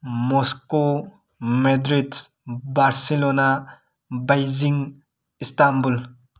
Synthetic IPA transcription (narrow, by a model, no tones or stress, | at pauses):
mosko | medɾid | baɾselona | bajziŋ | istambul